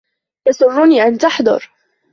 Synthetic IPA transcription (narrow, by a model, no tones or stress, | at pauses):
j̪asˤʊrˤːʊniːʔant̪aħd̪ˤʊ̰ɾ